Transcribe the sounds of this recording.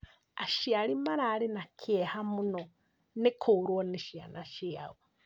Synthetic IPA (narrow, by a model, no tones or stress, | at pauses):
a̰ʃialimaɾaːɾinakʰehamuno | nekʰoːɾwɔniʃia̰naʃiawo